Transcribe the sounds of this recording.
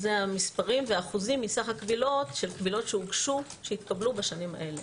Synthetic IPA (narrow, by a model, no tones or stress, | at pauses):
zeamispaʁimveaːχuzimːisaχakvilo̞tʃe̞lkvilo̞tʃeuɡʃuʃeit̪kablubaʃanima̰ʔe̞le̞